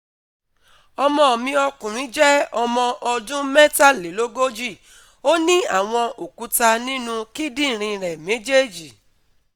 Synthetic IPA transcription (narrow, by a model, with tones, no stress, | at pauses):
ɔ˧mɔ̃˧ɔ˨mĩ˧ɔ˧kũ˨ɾ̃ĩ˨˦d͡ʒɛ˦ɔ˧mɔ̃˧ʔɔ˧dũ˦mɛ˦ta˦˨le˨˦lo˦ɡo˦d͡ʒi˦˨ | o˦nĩ˦a̰˦˨w̃ɔ̃˧o˨ku˨˦ta˧nĩ˦nũ˧ki˦dĩ˦˨ɾ̃ĩ˧ɾɛ˨me˨˦d͡ʒe˦d͡ʒi˨